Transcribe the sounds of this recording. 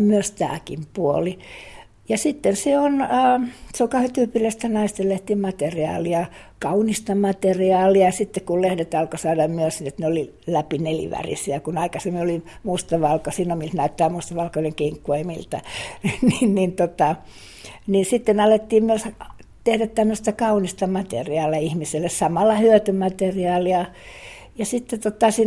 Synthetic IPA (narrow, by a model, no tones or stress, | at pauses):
myøst̪æ̰ːkimpuoli | jɑsit̪ːenseonəːseoŋkɑhet̪yːpilːæst̪ænɑist̪eleht̪iːmɑt̪eriɑ̰ːliɑ | kɑunist̪ɑmɑt̪eriɑːliɑsit̪ːekkullehdet̪ɑlkosɑːdɑmmyøsinet̪neoli | læpinelḭʋæ̰rḭsiækunɑikɑsemːiolim | must̪ɑʋɑlkosinomilt̪næyt̪ːæːmust̪ɑʋɑlkoineŋkeŋkːoimḭlt̪ɑniːnnint̪ot̪ɑ | ninsit̪ːenɑlet̪ːiːmmyøs | t̪ehdæt̪t̪æmːøst̪ækɑunist̪ɑmɑt̪ḛriɑːlɑihmiselːessɑmɑlːɑhyøt̪ymɑt̪eriɑːliɑ | jɑsit̪ːet̪ot̪ɑsi